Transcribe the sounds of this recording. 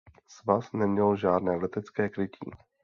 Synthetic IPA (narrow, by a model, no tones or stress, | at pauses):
svasnɛmɲɛlʒaːdnɛːlɛt̪ɛt͡skɛːkɾɪcʰḭː